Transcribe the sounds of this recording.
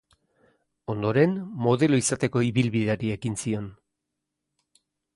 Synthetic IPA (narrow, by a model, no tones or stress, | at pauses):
o̞nd̪o̞ɾe̞nmo̞ð̞e̞lo̞isat̪e̞ko̞iβilβiðeaɾie̞kinsio̞n